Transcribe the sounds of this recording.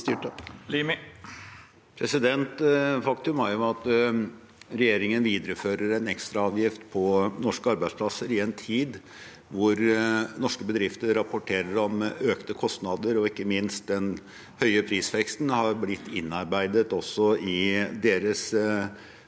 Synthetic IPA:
t̪ːlim | pʰɾɛsɪd̪ɛnt̪fɑkt̪ʉmæɾjʊɑt̪ | ɾɛjeːɾɪŋənʋiːd̪əɾəføːɾəɾɛnɛkst̪ɾɑɑːʋjɪft̪pʰɔnɔʂkəɑɾbæɪd̪spʰlɑsəɾɪɛnt̪ʰiːd̪ | ʋʊɾnɔʂkəbəd̪ɾɪft̪əɾːɑpʊʈʰeːɾəɾɔmøːkt̪əkʰɔst̪nɑd̪əɾɔɪkːəmɪnst̪̚d̪ɛn | hœʏəpʰɾiːsfɛkst̪nhɑɾblɪt̪ːɪnːɑɾbæɪd̪ət̪ɔsːɔɪd̪eːɾəs

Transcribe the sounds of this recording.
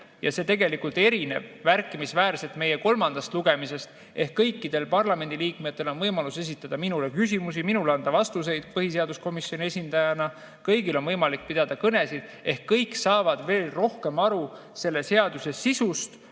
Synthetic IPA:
jɑse̞t̪e̞ɡe̞likult̪e̞ɾine̞v̥mærkːˑimisvæːɾse̞lt̪me̞je̞ko̞lmɑnd̪̥ɑst̪luɡe̞mise̞st̪ | ʔe̞hkːɤjkːid̪̥e̞lpɑrlɑme̞nd̪iliːkmet̪ːe̞lo̞nvɤjmɑluse̞s̬it̪ːˑɑd̪̥ɑminule̞kysimusiminuleɑnd̪̥ɑvɑst̪us̬e̞jd̪̥̚pɤɦise̞ɑd̪usko̞misːo̞nie̞sʲind̪̥ɑjɑnɑ | kɤjɡilo̞nvɤjmɑlik̚pid̪̥ɑd̪̥ɑkɤne̞sid̪̥e̞hkːɤjkːsɑːvɑd̪̥ve̞ːlro̞hke̞mɑɾu | se̞lːe̞se̞ɑd̪use̞sisust̪

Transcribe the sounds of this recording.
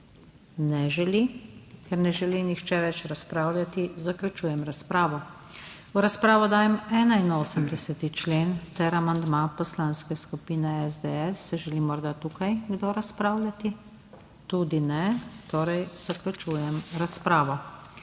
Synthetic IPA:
nɛʒɛlikɛɾnɛʒɛlinixt͡ʃɛʋɛt͡ʃɾaspɾaːwlʲjat̪izaklʲut͡ʃuːjɛmɾaspɾaːʋɔ | wɾaspɾaːʋɔd̪aːjɛmɛːnainoːsəmd̪ɛsɛt̪it͡ʃleːnt̪ɛɾamand̪mapɔslaːnskɛskupinɛɛzd̪ɛɛsːɛʒɛlimɔɾd̪at̪uːkajɡd̪oɾaspɾaːwlʲjat̪i | t̪ud̪inɛt̪oːɾɛjz̥aklʲut͡ʃuːjɛmɾaspɾaːʋɔ

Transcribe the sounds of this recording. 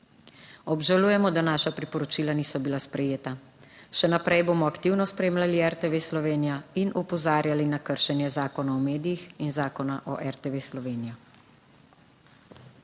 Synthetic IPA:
ɔbʒaluːjɛmɔd̪anaːʃapɾipɔɾɔt͡ʃiːlaniːsɔbilaspɾɛjeːt̪a | ʃɛnapɾɛjboːmɔakt̪iwnɔspɾeːmlaliɛɾt̪eʋeːslɔʋeːnijainʔupɔzaːɾjalinakəɾʃɛnjɛzaːkɔnaɔmeːd̪ijixinzaːkɔnaʔɔ̰ʔɛɾt̪eʋeslɔʋeːnijɔ

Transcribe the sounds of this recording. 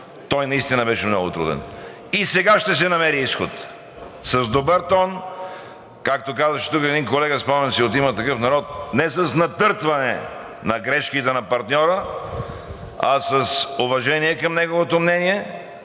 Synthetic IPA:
t̪ɔjnɐist̪inɐbɛʃɛmnɔɡʊt̪ɾṵd̪ɛ̰n | isɛɡaʃt̪ɛs̬ɛnɐmɛɾiisxot̪ | sɐzd̪obəɾt̪ɔn | kak̚t̪okazvɐʃɛ̥t̪ukɛd̪inkolɛɡɐspamɛnsiot̪imət̪ɐkɤfnɐɾɔt̪̚nɛsɐsnɐt̪ɤɾt̪vɐnɛ̰ | nɐɡɾɛʃkit̪ɛnɐpɐɾt̪nʲɔɾə | ɐsəsovɐʒɛniɛkɐmnɛɡovot̪omnɛniɛ

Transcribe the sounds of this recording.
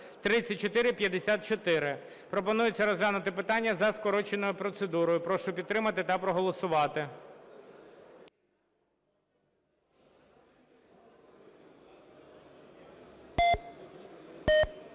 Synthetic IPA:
t̪ɾɪt͡sʲːɐt̚ʲt͡ʃːɔt̪ɪɾɪpʲjɐd̪esʲat̪̚t͡ʃɔt̪ɪɾɪ | pɾɔpɔnujʊt͡sʲːɐɾɔzlʲanʊt̪ɪpɪt̪ɑnʲːɐzɐskɔɾɔt͡ʃenɔjʊpɾɔt̪sed̪uɾɔjʊpɾɔʃʊpʲid̪t̪ːɾɪmɐt̪ɪt̪ɐpɾɔɦɔlˠɔsʊʋɑt̪ɪ

